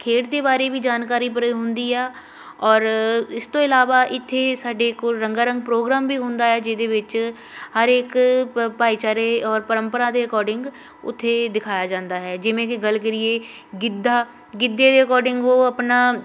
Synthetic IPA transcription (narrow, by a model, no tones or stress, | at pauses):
kʰeːʈd̪eːbaːɾeːʋiːd͡ʒaːnkaːɾiːp̬əɾɦʊnd̪iːɛː | ɔːɾɪst̪õːɪlaːʋaːʔɪt̪ʰːeːsaːɖeːkoɾəŋɡaːɾə̃ŋɡpɾoːɡɾaːmbiːɦʊnd̪aːɦɛːd͡ʒɪd̪eːʋɪt͡ʃ | həɾeːkpaːit͡ʃaːɾeːɔːɾpəɾəmpəɾaːd̪eːɾɪkɔːɾɖɪ̃ŋɡ | ʊ̰t̪ʰːeːd̪ɪkʰaːjaːd͡ʒãːnd̪aːɦɛːd͡ʒɪʋẽːkɪɡəlkəɾɪeː | ɡɪd̪ːaː | ɡɪd̪ːeːd̪eːɾɪkɔːɾɖɪ̃ŋɡʋoːəpnaː